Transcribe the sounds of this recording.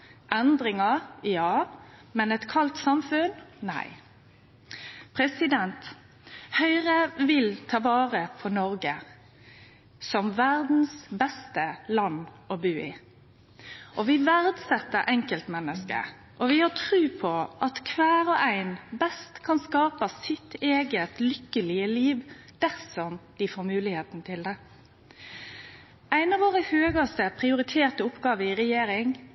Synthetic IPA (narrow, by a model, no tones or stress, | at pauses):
ʔɛnd̪ɾɪŋəʁjɑːmɛnɛt̪kʰɑlt̪sɑmfʉnnæ̰ɪ | pʰʁɛsɪd̪ɛnt̪ | hœʏʁəʋɪlt̪ʰɑːʋɑːʁəpʰɔnɔɾɡə | sɔmʋæʁd̪n̩sbɛst̪əlɑnː | ɔbʉːɪ | ʔɔʋɪʋæɾd̪sɛt̪ːəɾʔɛŋkəlt̪mɛnːəskə̰ | ʔɔʋɪhɑʈʰɾʉːpʰɔʔɑt̪kʰʋæːɾɔʔæɪnbɛst̪kʰɑnskɑːpɑsɪt̪eːɡət̪lʏkːəlɪəliːʋd̪̥æɾsɔmd̪̥ɪfoːɾmʉːlɪheːt̪n̩t̪ʰɪld̪ɛ | ʔæɪnɑʋoːɾəhøːɡɑst̪əpʰɾɪʊɾɪt̪ʰeːʁt̪əʊpːɡɑːʋəɪɾɛjeːɾɪŋ